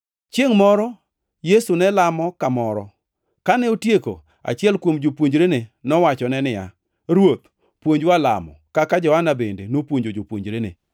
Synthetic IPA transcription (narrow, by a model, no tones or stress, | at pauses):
t͡ʃeŋmɔɾɔ | jesunɛlamɔkamɔɾɔ̰ | kanɛotjeko̰ | a̰t͡ʃɪɛlkwomd͡ʒopwoɲd͡ʒɾenenɔwat͡ʃɔnɛnɪja̰ | ɾwot̪̚ | pwoɲd͡ʒwala̰mɔ̰kakad͡ʒɔhanabendenopwoɲd͡ʒod͡ʒopwoɲd͡ʒɾene